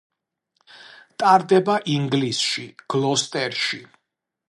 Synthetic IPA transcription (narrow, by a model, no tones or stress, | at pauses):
t̪ʼaɾd̪ɛbaʔiŋɡlisʃiɡ̥lˠɔst̪ʼɛɾʃi